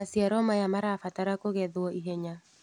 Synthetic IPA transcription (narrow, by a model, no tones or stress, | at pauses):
asjaɾɔmajamaɾafataɾakoɣɛðwɔʔiɦɛɲa